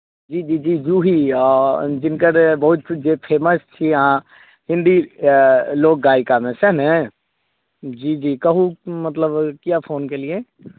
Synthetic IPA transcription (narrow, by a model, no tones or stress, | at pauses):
d͡ʒiːd͡ʒiːd͡ʒiːd͡ʒuːɦi | d͡ʒɪnkəɾbɐɦʊt̪d͡ʒepʰeːməst͡ʃʰiã | ɦɪ̃nd̪i | loːk̚ɡaːɪkamẽsɛɦnɦɛ̃ | d͡ʒiːd͡ʒiːkɐɦumət̪ləbkijapʰoːnkelie